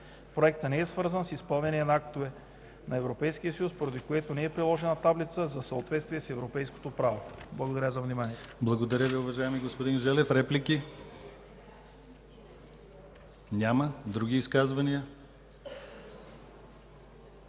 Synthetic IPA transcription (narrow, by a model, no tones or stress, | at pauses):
pɾoɛk̚t̪ənɛɛsvɤɾzənsispəlˠnɛniɛnɐak̚t̪ovɛ | nɐɛvɾopɛjsk̟ijəsɐjuspoɾɐd̪ikoɛt̪onɛɛpɾilˠɔʒɛnɐt̪ablit̪səzɐsɐot̪vɛt̪st̪viɛsɛvɾopɛjsko̥t̪opɾavoblˠɐɡod̪ɐɾʲəzɐvnimaniɛt̪ɛblˠɐɡod̪ɐɾʲəviʊvɐʒaɛmiɡospod̪inʒɛlɛfɾɛpliki | nʲaməd̪ɾuɡ̟ʲiːskazvɐniə